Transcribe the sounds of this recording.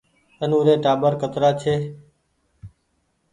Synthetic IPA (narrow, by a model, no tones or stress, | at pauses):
ənũːɾeːʈaːbəɾkət̪ɾaːt͡ʃʰeː